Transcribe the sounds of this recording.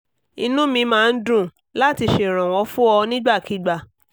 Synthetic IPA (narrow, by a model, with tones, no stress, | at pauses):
i˧nũ˦mĩ˧mãː˦˧n̩˦dũ˦˨ | la˦˨ti˧ʃe˨ɾ̃ɔ̃˨w̃ɔ̃˨˦fũ˦ɔ˧nĩ˦ɡ͡ba˦˨ki˦ɡ͡ba˦˨